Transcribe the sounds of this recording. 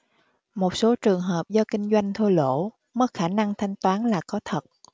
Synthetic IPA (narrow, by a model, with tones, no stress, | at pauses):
mo˨˩t̚so˨˦t͡ɕɨ˨˩əŋɦəː˨˩p̚zɔ˧kï˧ŋ̟zwa˧jŋ̟t̪ʰu˧lo̰˧˥˨ | mə˦˥xaː˧˩na˧ŋt̪ʰa˧jŋ̟t̪waː˨˦nlaː˨˩kɔ˨˦t̪ʰə˨˩t̚